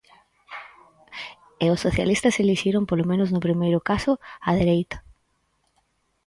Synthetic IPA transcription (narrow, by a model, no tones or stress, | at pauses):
eʊsːoθja̰list̪ɐseliʃiɾoŋpolomẽnʊznʊpɾimejɾʊkasʊaðeɾejt̪ɐ̥